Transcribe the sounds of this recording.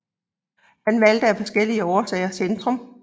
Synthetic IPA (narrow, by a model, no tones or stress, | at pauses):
hænʋæld̥əæfɒ̽sɡ̥el̰iəɒːsɛɪɐsend̥ʁɔ̽m